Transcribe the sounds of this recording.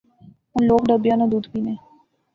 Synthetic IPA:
ʊnloːkɖəbjãːnãd̪uːd̪piːnẽː

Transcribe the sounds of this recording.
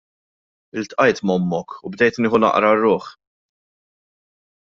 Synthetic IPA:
ɪlt̪ʔɐjt̪mɔmːɔkubd̪ɛjt̪nɪːħʊnɐ̰ʔɾɐrːʊːħ

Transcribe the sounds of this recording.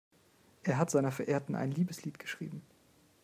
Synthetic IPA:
ʔeːɐɦatz̥aɪnɐfɛɐʔeːɐtn̩ʔa̰ɪnliːbəsliːtɡ̥ə̥ʃʁ̥ḭːbm̩

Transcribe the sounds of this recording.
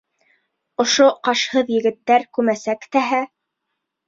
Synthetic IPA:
ŏʃoqɑʃhɤðjɘ̆ɡɘ̆t̪ːæɾkʉmæsækt̪æɦæ

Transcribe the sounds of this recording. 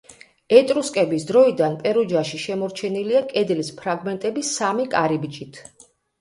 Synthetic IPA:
ɛt̪ʼɾuskʼɛbisd̪ɾɔid̪anpʼɛɾɔd͡ʒaʃiʃɛmɔɾt͡ʃʰɛniliakʼɛd̪lispʰɾaɡmɛnt̪ʼɛbisamikʼaɾibt͡ʃʼit̪ʰ

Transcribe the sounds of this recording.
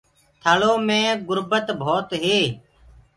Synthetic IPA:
t̪ʰaːɭoːmẽːɡʊɾbət̪bʱoːt̪ɦeː

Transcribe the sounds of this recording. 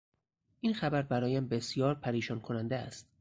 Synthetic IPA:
ʔiːnxæbæɾbæɾɒːjæmbe̞sjɒːɾpʰæɾiːʃɒːnkʰonænd̪eæ̰st̪̚

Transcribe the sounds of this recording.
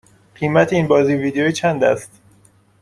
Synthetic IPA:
ɢ̥iːmæt̪ʰeiːnbɒːziːviːd̪ejoiːt͡ʃʰænd̪æ̰st̪

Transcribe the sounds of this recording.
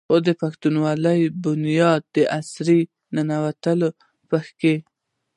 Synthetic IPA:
xod̪əpaxt̪unwɑləjbʊnjɑd̪̚d̪əʔasɾi | nanawat̪əlo | pəxke

